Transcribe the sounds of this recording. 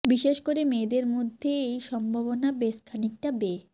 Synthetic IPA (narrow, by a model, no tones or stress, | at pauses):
biʃeʃkoɾemed̪eɾmod̪ʱːeejʃɔmbʱaβonabeskʰanik̚ʈabe